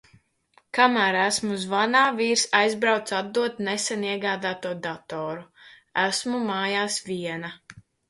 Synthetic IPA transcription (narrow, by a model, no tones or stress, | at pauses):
kamæːɾæsmuzvanaːviːɾsajzbɾawt̪sad̪̚d̪ːuɔt̪̚nɛsɛniɛɡaːd̪aːt̪uɔd̪at̪ɔːɾu | æsmumaːjaːsvʲiɛna